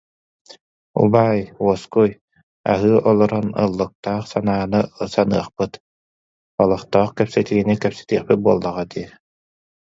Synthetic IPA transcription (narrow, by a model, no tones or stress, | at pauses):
ṵbaːjuɔskuj | a̰ɦɯːʔɔlˠɔɾɔnɯ̰lˠːɯk̚t̪aːχsanaːnɯsanɯɐχpɯt̪ | ɔlˠɔχt̪ɔːχkɛpsɛt̪iɡinikɛpsɛ̥t̪iːχpit̪̚buɔlˠːaʁad̪iɛ